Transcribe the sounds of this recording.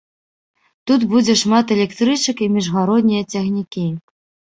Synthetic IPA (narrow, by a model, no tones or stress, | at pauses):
t̪ut̪bud͡zʲɛʂmat̪ɛlʲɛkt̪ɾɨt͡ʂɐkimʲiʐɣaɾɔd̪nʲijɐt͡sʲɐxnʲikʲi